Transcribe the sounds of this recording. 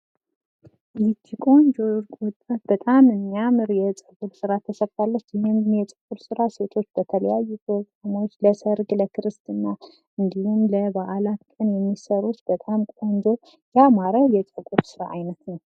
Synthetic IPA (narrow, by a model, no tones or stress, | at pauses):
it̪ʰːikʼo̞nd͡ʒo̞ɾkʼwɔt̪ʼːat̪̚bət̪ʼamɨmːiamɨɾjɛt͡sʼəɡʼuɾsɨɾat̪ʰːəsəβt̪ʰalːət͡ʃːjɛhemjɛt͡ʃʼəkʼuɾsɨɾase̞t̪ʰo̞t͡ʃːb̥ət̪ʰələjajːut̪ʰokʼːanawot͡ʃːləsəɾɡləkʰɨɾɨst̪ɨnːa | ɨnd̪ihumləbaʔalat̪kʼɨnjɛmːisəɾut̪bət̪ʼamkʷʼo̞nd͡ʒo̞ | jamaɾəjɛt͡ʃʼəkʼuɾsɨɾa̰ajnət̪nəw